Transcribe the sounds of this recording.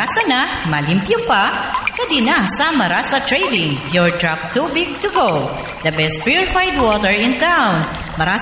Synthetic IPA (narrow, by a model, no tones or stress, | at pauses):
asɐnamɐlɪmpjʊpakɐd̪inasɐmɐɾasɐt̪ɹɛjd̪ɪ̃ŋpjɔɹd̪ɹap̚t̪ubɪɡ̚t̪ʊɡow | d̪ɐbɛst̪̚pɹjuɹɪfajd̪̚wɔt̪ɛɹɪ̃nt̪awn | mɐɾa